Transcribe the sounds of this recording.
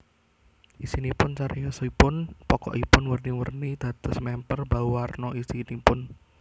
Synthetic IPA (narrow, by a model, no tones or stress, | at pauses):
ʔisinipʊnt͡ʃaɾijasɔipʊnpɔkɔ̰ʔipʊnwərniwə̰rnid̪̥a̤t̪ʊsmɛmpərbawarnɔisinipʊn